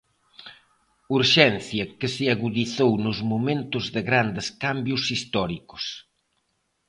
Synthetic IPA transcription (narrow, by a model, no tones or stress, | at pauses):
uɾʃɛnθjɐkɪseaɣuðiθownʊzmumẽnt̪ʊzðɪɣɾand̪ɪskambjʊsist̪ɔɾikʊ̥s